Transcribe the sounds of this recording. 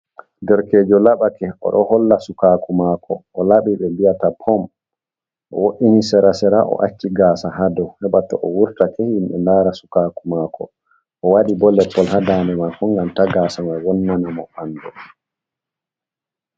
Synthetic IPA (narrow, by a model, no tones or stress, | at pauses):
dɛɾkeːd͡ʒɔlaɓakɛʔɔ̰ɗɔhɔlːasukakumakʰɔʔːlaɓiɓɛbijatapʰɔm | ʔɔ̰woʔinisɛɾasɛɾaʔɔ̰ʔa̰t͡ʃːiɡasaɦadɔwhɛɓatɔ̰ʔɔwuɾtakɛhimɓɛ̰laɾasu̥kakumaːkɔ | ʔɔwaɗibɔlɛpːɔlhadanɛmakɔŋɡamtaɡaːsamawɔnːanamɔ̰bandɔ